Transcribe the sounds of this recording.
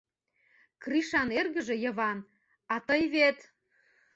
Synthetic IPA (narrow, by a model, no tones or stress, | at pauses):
kriʃɑnerɣə̆ʒĕjɤ̆βɑn | ɑt̪əjβet̪